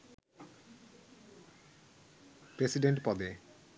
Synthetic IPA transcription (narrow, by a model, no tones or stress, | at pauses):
pɾesiɖeɳʈpɔd̪e